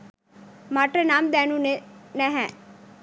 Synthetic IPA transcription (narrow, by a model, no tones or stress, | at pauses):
maːʈənaːmd̪ɛːnũnenɛɦɛ̃ː